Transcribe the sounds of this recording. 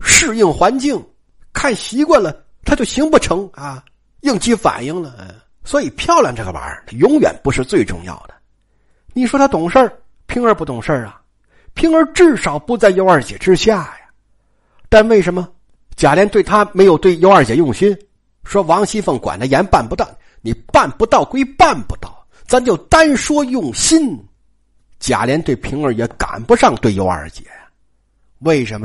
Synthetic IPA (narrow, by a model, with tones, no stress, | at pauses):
ʂɻ̩˥˧i˥˩ŋxwa˧˥nt͡ɕi˥˩ŋ | kʰa˥˩nɕi˧˥kwa˥˩nlə˩ | t̪ʰa˥t͡ɕjo˥˩ʊɕi˧˥ŋpu˥˩ʈ͡ʂʰɤ˧˥ŋa˧ | i˥˩ŋt͡ɕi˥fa̰˨˩ni˥˩ŋlə˨˧ | swɔ˧˥i˨˩pʰjɑ˥˧ʊlja̰˥˧ŋʈ͡ʂɤ˥˩ə˩ma̰˧˥ə˧˩d̪ə˩jʊ˧˥ŋɥɛ̰˨˩npu˧˥ʂɻ̩˥˧t͡swe˥˧ɪʈ͡ʂʊ̰˥˧ŋjɑ̰˥˩ʊd̪ə˩ | ni˨˩ʂwɔ˥t̪ʰa˥t̪ʊ˨˩ŋʂə˞˥˩ | pʰi˧˥ŋə˞˧˥pu˥˩t̪ʊ˨˩ŋʂə˞˥˩ɐ˩ | pʰi˥ŋə˞˧˥ʈ͡ʂɻ̩˥˩ʂɑ˨˩˦ʊpu˧˥t͡sa˥˧ɪjo˥ʊə˞˥˧˩t͡ɕjɛ̰˨˩ʈ͡ʂɻ̩˥ɕja˥˩ja˨ | t̪a˥˧nwe˥˩ɪʂə˧˥nmə˧ | t͡ɕja˨˩ljɛ˧˥nt̪we˥˩ɪt̪ʰa˥me˧˥ɪjo˨˩ʊt̪we˥˩ɪjo˥ʊə˞˥˩t͡ɕjɛ˨˧˥jʊ˥˩ŋɕi˥n | ʂwɔ˥wɑ˧˥ŋɕi˥fə˥˩ŋkwa̰˨˩nd̪ə˦jɛ˧˥npa˥˩npu˧˥t̪ɑ˥˩ʊ | ni˨˩pa˥˩npu˧˥t̪ɑ˥˩ʊkwe˥ɪpa˥˩npu˧˥t̪ɑ˥˩ʊ | t͡sa˧˥n˧˦t͡ɕjo˥˩ʊt̪a˥nʂwɔ˥jʊ˥˩ŋɕi˥n | t͡ɕja̰˨˩ljɛ˧˥nt̪we˥˩ɪpʰi˧˥ŋə˞˧˥jɛ˧˥ka̰˨˩npu˧˥ʂɑ˥˧ŋt̪we˥˩ɪjo̰˧˥ʊə̰˞˧˩t͡ɕjɛ̰˧˩˦ | we˥˩ɪʂə˧˥nmə˧